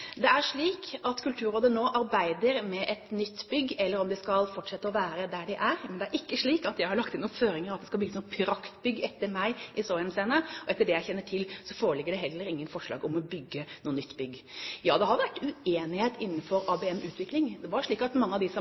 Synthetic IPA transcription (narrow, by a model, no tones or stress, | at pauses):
d̪ɛæɾʂɭiːkɑt̪kʰʉlt̪ʰʉːɾoːd̪ənoːʔɑɾbæɪd̪əɾmɛʔɛt̪nʏt̪ːbʏɡːʔɛlːəɾɔmd̪ɪskɑlfɔʈʂɛt̪ːəɔʋæːɾəd̪æɖɪʔæɾmɛnd̪ɛæɾʔɪkːəʂɭiːkɑt̪jæɪhɑɾɭɑkt̪ɪnuːnføːɾɪŋəɾɑt̪d̪ɛskɑbʏɡːəsnuːpʰɪɾɑkt̪bʏɡːɛt̪ːəɾmæɪʔɪsoːɛnseːnəɔɛt̪ːəɖɛjæɪçɛnːəʈʰɪlsɔfoːɾəlɪɡːəɖɛɦɛlːəɾɪŋːənfɔʂɭɑ̰ːɡɔmɔbʏɡːənuːnːʏt̪ːbʏɡːjɑːd̪ɛhɑɾʋæʈːʉeːnɪheːt̪ɪn̩ːfɔɾɑːbɛɛmʔʉːt̪ʰʋɪklɪŋd̪ɛʋɑɾʂɭiːkɑt̪mɑŋːəɑd̪ɪsɔ